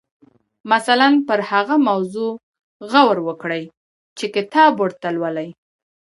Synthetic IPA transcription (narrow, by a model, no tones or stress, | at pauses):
masalanpəɾhaɣamawzo | ɣawɾwəkɽəj | t͡ʃekɪt̪ɑbwəɽt̪alwəlaj